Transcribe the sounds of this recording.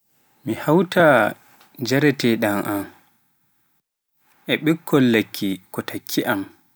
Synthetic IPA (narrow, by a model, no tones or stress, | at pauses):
mihawta | d͡ʒɛɾɛtɛɗanʔam | ʔɛɓɛkʰːɔlːakʰːikɔtʰakʰːiʔam